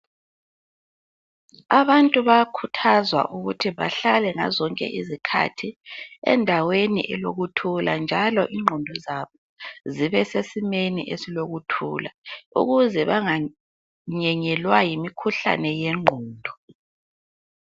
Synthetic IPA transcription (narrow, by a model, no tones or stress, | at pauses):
aβantʼuβakʰutʰazwa̰ʔuɣutʰiβa̰ɬalɛŋa̰zɔŋkʼɛ̰ʔizikʰa̰tʰiɛ̰ndʱawenḭʔɛloɣutʰula̰nd͡ʒʱalɔʔiŋ͡ǃʱɔndʱɔzaβɔ | ziβɛsesimeniʔesiloɣutʰṵlaṵɣuzɛβaŋa | ɲɛɲɛlwajimikʰuɬa̰nɛjɛŋ͡ǃʱɔːndʱɔ